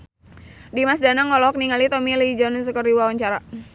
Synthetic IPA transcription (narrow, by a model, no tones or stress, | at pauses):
dimas̬danaŋɔlɔk̚niŋalit̪ɔmilid͡ʒɔnus̬əkɔriwawaɲt͡ʃaɾa